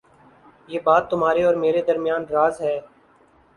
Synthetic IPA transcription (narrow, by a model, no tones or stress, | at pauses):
jeːbaːt̪ːʊmɦaːɾeɔːɾmeːɾed̪əɾmɪjaːnɾaːzɦɛː